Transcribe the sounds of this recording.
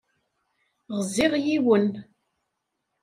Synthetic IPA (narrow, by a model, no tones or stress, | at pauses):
ʁəzːɪʁjiwən